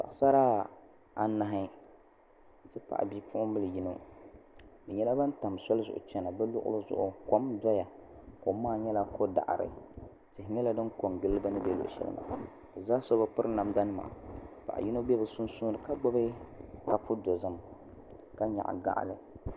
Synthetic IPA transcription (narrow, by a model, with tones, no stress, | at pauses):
ba̰˨ʔsa˦ɾaː˦ | a̰˨na˨ɦɪ˦ | tɨ˦pa̰˨ʔbi˦pʊ˦ʔʊ˦mɨ˦lɨ˨ji˦no˦ | bɨ˨ɲɛ˦la˦ba˦n˦ta˨m˨sɔ˦lɨ˦zʊ̰˨ʔʊ̰˨t͡ʃɛ˦na˨bɛ˦lʊ̰˦ʔʊ̰˦lɨ˦zʊ̰˦ʔʊ˨ko˨˦mdɔ˦ja˨ko˨˦maː˦˨ɲɛ˦la˦ko˦da̰˨ʔɾɨ̰˨ | tɨ˨hɪ˨ɲɛ˦la˦dɨ˦nko˨ŋɡɨ˦lːɨ˦ba˦nɨ˦bɛ˦lʊ̰˨ʔʃɛ̰˦lɨ̰˦ma̰˨ | bɨ˨zaː˦sɔ˦ba˦pɨ˦ɾɨ˦na˨mda˦nɨ˦ma̰ː˨pa̰˨ʔji˦no˦bɛ˦bɨ˨sʊ˦nsu˦nɨ˨ka˦ɡ͡bɔ˦bɨ˦ka˨pʊ˦do˨zɨ˦m | ka˦ɲa̰˨ʔɡa̰˦ʔlɨ˨